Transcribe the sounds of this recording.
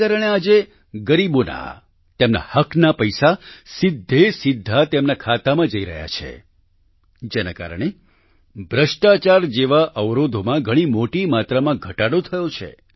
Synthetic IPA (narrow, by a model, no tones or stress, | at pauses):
aɾəɽ̃ead͡ʒe | ɡəɾibona̰ | t̪emna̰həkʰnapəjsasɪd̪ʱːesɪd̪ʱːat̪emnakʰat̪amãd͡ʒəiɾə̰ɦja̰t͡ʃʰḛ | d͡ʒena̰ka̰ɾəɳ̃e | bʱɾəʃʈat͡ʃaɾd͡ʒeʋaʔəʋɾod̪ʱomãɡʱəɽ̃imoʈimat̪ɾamãɡʱəʈaɽot̪ʰəjot͡ʃʰḛ